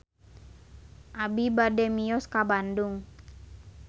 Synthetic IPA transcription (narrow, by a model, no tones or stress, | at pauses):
ʔabibadɛmijɔskabandʊŋ